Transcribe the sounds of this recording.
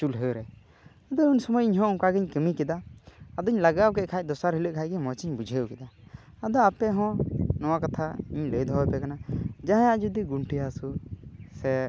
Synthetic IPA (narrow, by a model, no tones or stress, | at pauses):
t͡ʃulɦəɾɛ | ad̪ɔuɲsɔmɔjiɲɦɔ̃ʔɔ̃kaɡɛɲkəmikɛd̪aːd̪ɔɲlaɡawkɛc̚kʰac̚ˀd̪ɔsaɾɦiləʔkʰac̚ɡɛmɔt͡ʃiɲbud͡ʒʱəjukɛd̪a | ad̪ɔapɛɦɔ̃nɔwakat̪ʰaiɲləjd̪ɦɔwɛpɛkanad͡ʒaɦããʔd͡ʒud̪iɡuɳʈiasusɛ